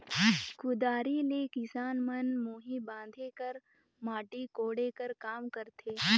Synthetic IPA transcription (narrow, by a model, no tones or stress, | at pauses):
kʊd̪aːɾileːkɪsaːnmənmoːɦibãːnd̪ʱekəɾ | maːʈikoːɽeːkəɾkaːmkəɾt̪ʰeː